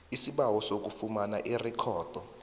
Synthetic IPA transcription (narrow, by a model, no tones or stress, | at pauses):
isiɓawɔsok̬ufumana̰ʔirikʰɔːd̥ʱɔ